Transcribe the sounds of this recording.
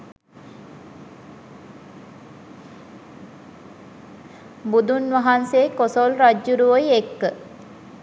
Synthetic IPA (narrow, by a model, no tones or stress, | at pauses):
bud̪unʋaɦanseːkosolɾad͡ʒːuɾuʋəjekːə